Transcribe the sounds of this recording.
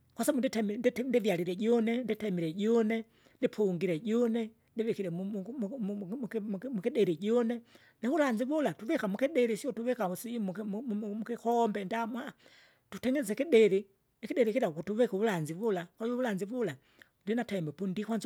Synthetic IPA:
kwasabunditɛmdndivjaliɾɛɟɔnɛnditɛmiɾɛɟɔnɛ | ndipʰuŋɡiɾɛɟɔnɛ | ndivikiɾɛ | mmukiɗɛɾiɟɔnɛ | naβulaɲd͡ʒivulatuvɛkamukiɗɛɾisiɔtuvikausimmukikɔmbɛndamwa | tutɛŋɡɛzɛkiɗɛɾi | nikidɛɾikiɾakutuvikuulanzivulakwaɔβulanzivula | ndinatɛmbɛpundikwanz

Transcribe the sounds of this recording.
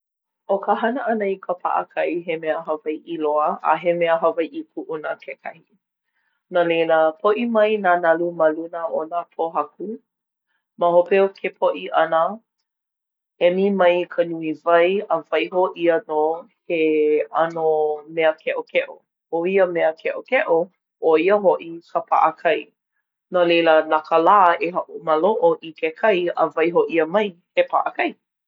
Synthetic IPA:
ʔokəɦɐnəʔɐnəikʰəpʰa̰ʔə̰kʰɐiɦemeəɦɐvajʔiloəʔa̰ɦemeəɦɐvajʔipʰuʔunəkʰekʰɐhi | nalejləpʰoʔimɐjnanɐlumalunəonapʰoɦɐku | məɦopeokʰepʰoʔiʔɐnə | ɛmimɐjkʰənuivɐjəvɐjɦoʔiəno | heɐnomɛəkʰɛʔokʰɛʔo | oiəmɛəkʰɛʔokɛʔo | ʔoiəɦoʔikʰəpʰa̰ʔəkʰɐj | nolejlənɐkəlaːeɦaʔuməloʔoʔikekʰɐjəvɐjɦoʔiəmɐjhepʰa̰ʔəkɐj

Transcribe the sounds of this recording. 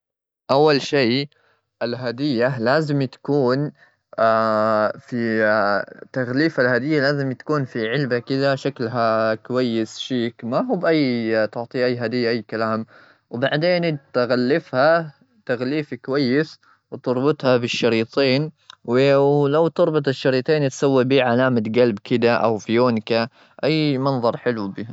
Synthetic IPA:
ʔawːalʃiː | ʔalɦad̪ɪjːalaːzɪmt̪ḁkuːn | afi | t̪aɣliːfalhad̪ɪjːalaːzɪmt̪ḁkuːnfiʕɪlbakɪd̪aʃaklɦakʊwajːɪsʃiːkmawbʔajːt̪ʊʕt̪ˤiʔajːɦad̪ɪjːaʔaːkalaːm | wbaʕd̪eːnt̪ɣalːɪfha | t̪aɣliːfikʊwajːɪs | wt̪ʊɾˤbʊt̪ˤhabɪʃːɑɾiːt̪ˤeːnwlawt̪ʊɾˤbʊt̪ˤɪʃːɑɾiːt̪ˤeːnt̪sawːibiːʕalaːmat̪ɡalbkɪd̪aʔa̰wfijoːnka | ʔajːmɑnðˤɑɾˤħɪlubiːha

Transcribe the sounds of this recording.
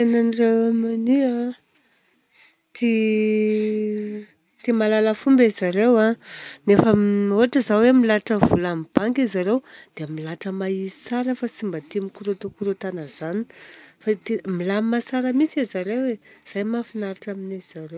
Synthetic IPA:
t̪enanirewamania | t̪ʰi | t̪imalaləfumbezaɾewanefəoaʈ͡ʂəzawemilaʈ͡ʂəvulamib̥aŋɡizaɾewd̪̥eamilaʈ͡ʂəmaiisaɾəfasimbət̪imikuɾut̪ukuɾut̪anəz̥ani̥fat̪imilamimasaɾəmisizaɾewez̥ajmafinaɾaʈ͡ʂaminiz̥aɾew

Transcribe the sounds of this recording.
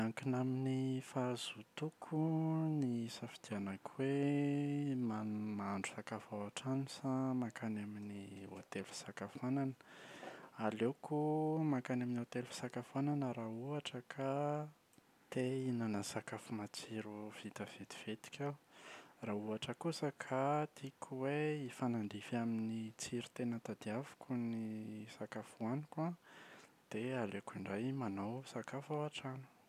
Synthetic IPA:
aŋkinaminifazut̪ukʰunisafid̪̥ianakwe | manmaaɳɖ͡ʐusakafawaʈ͡ʂanisamakanaminiot̪elu̥sakafananə̥ | alewkumakanaminot̪elfi̥sakafananəɾauaʈ͡ʂəkʰa | t̪einanəsakafumat͡siɾuv̥it̪av̥ed̪i̥v̥et̪i̥kʲʰawraːuaʈ͡ʂəkusəkʰat̪ikʰuweifanaɳɖ͡ʐifaminit͡siɾu̥t̪enət̪ad̪iavu̥kunisakafuanika | d̪̥ealekiɳɖ͡ʐajmanawsakafawaʈ͡ʂanu̥

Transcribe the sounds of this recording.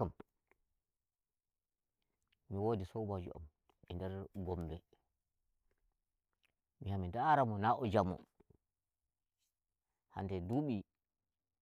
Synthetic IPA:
am | miwodisɔbad͡ʒṵʔa̰m | ɛndɛɾɡɔmbɛ | mihamindaɾamɔnaʔɔd͡ʒamɔ̰ | ha̰ndɛduɓi

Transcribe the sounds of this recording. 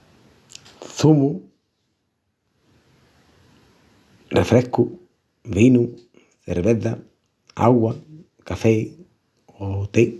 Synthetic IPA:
θumu | rɛfɾɛhkːu | vinu | θɛ̰ɾrβɛðːa | a̰wa | kafej | ɔt̪ej

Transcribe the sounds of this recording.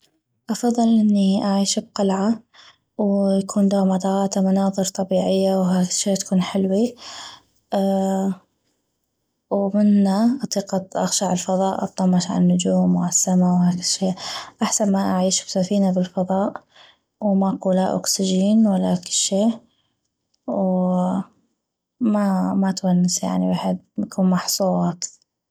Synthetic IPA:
ʔɑfɑðˤːɨlʔɪnːiʔaʕiːʃb̚qalʕa | wjakʰuːnd̪oːʕmɑd̪ˤɑɣɑːt̪amʊnɑːðˤɨɾt̪ˤɑbiːʕɪjːawɦaːkɪʃːeːt̪ḁkuːnħɪlwi | wmɪnːaʔɑt̪ˤiːqɑʔɑ̰xʃaʕɪlfɑðˤɑːʔʔɑ̰t̪ˤːɑmːɑʃʕa̰nːʊd͡ʒuːmwasːamawhaːkɪlʃeːʔʔaħsanmaʔaʕiːʃbsafiːnabɪlfɑðˤɑːʔ | wmaquːla̰ʔʊ̰ksɪd͡ʒiːnwalːakɪlʃeː | w | mamat̪wanːɪsja̰ʕniwaːħɪd̪̚jakuːnmɑħsˤuːʕɑːt̪

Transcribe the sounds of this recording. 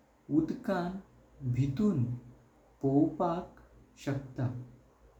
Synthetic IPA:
ud̪kan | bʱit̪uːn | powpak | ɕək̚t̪a

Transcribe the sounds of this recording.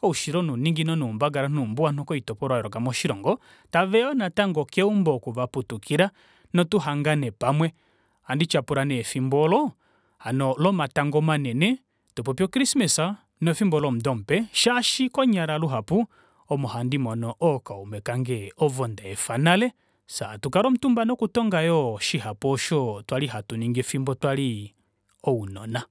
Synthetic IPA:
kɔuʃiɾɔnuniŋɡinɔnuːmbaɡaɾanumbuanɔkɔitɔpɔɾwajɛɾɔkamɔʃiɾɔŋɡɔ | tavɛɔnataŋɡɔkɛumbɔkuvaputukiɾa | nɔtuɦaŋɡanɛpamwɛ | handit͡ʃapuɾanɛfimbɔlɔ | hanɔlɔmataŋɡɔmanɛnɛ | tupɔpjɔkɾismɛsa | nɔfimbɔlɔm̩dɔm̩pɛʃaʃikɔɲaɾaluɦapu | ɔmɔhandimɔnɔʔɔkaumɛkaŋɡɛɔvɔndaɛfanalɛ | satukaɾɔm̩tumbanɔkutɔŋɡajɔʃiɦapɔʃɔtwaliɦatuniŋɡɛfimbɔtwali | ɔunɔna

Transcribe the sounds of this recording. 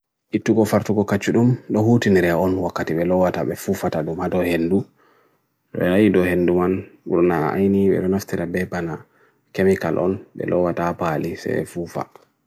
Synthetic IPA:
ʔitːuɡɔfaɾtuɡɔkat͡ʃːuɗumɗɔhutiniɾɛɔnwakːatiɓɛlɔwataɓɛfufataɗumhadɔhendu | ɗɔ̰ɛnajidɔhenːdumanuɗunaa̰jniɓɛ̰ɗɔnaftiɾabɛbana | kemikalʔɔ̰nɓɛ̰lɔwatapalisɛ̰ɛfufa̰

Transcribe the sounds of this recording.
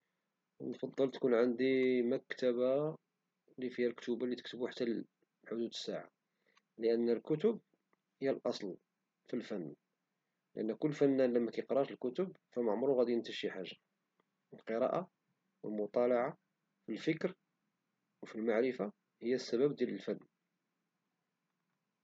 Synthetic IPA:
nfɑd̪ˤːəlt̪kunʕənd̪imækt̪æba | lifihælkt̪ubalːit̪ə̥k̚t̪əbuħat̪ːæl | ħʊd̪ud̪əsːaʕa̰ | ləʔənːəlkʊt̪ʊb̚ | həjːælʔɑsˤl | filfænː | ləʔənːkʊlːfænːænləmːækæjqɾˤɑt̪əlkʊt̪ʊb̚fæməʕmɾuɣæd̪int̪əʃiħaʒːa | əlqəɾˤɑ̰ʔa | wəlmʊt̪ˤɑlɑʕa | filfəkɾ | wfilmaʕɾəfa | həjːæsːæbæb̚d̪jæləlfænː

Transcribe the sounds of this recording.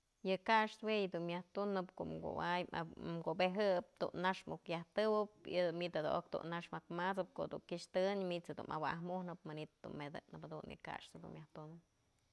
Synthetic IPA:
jɨkaʂt̪wejɨd̪unmʲjaht̪unɨpkoʔmɡo̰wajmɡobeɦɨp̚t̪ṵnːaʂmukjaht̪ɨwɨpid̪umit̪ad̪oʔok̚d̪ṵnːaʂmakmat͡sɨp̚ko̰ʔd̪uŋkiʂt̪ɨɲmit͡sad̪ṵnʔa̰wa̰ɦmuhnɨp̚manit̪d̪ṵnmed̪ɨ̰nɨphad̪unjɨ̰ka̰ʂt̪ad̪ṵnmjaht̪unɨp̚

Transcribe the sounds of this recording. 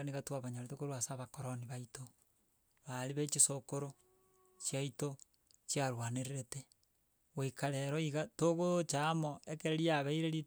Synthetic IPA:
aniɣatwaβaɲaɾetokoɾwasaβakoɾoniβaito | βaɾliβet͡ʃisokoɾo | t͡ʃjaito | t͡ʃjaɾwaneɾeɾete | wekaɾeɾɔiɣatoɣot͡ʃamoekeɾeɾiaβeiɾeɾi

